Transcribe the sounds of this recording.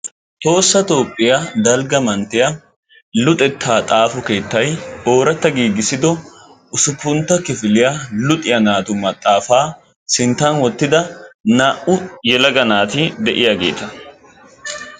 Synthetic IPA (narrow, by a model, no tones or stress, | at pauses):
t̪o̞ːsːɐt̪o̞ːpʼːɪjad̪ɐlɡɐmɐnt̪ɪjɐ | lʊt̪ʼɛt̪ʰːaːt̪ʼaːfʊke̞ːt̪ːɐjʔo̞ːɾɐt̪ːɐɡiːɡɪsɪd̪ɔ | ʔʊsʊpːʊnt̪ːɐkɪfɪlɪjalʊt̪ʼɪjɐnaːt̪ʊmɐt̪ʼːaːfaː | sɪnt̪ːɐnwɔt̪ːɪd̪ɐnaːʔʊjɛlɐɡɐnaːt̪ɪd̪ɛʔɪjaɡḛːt̪ɐ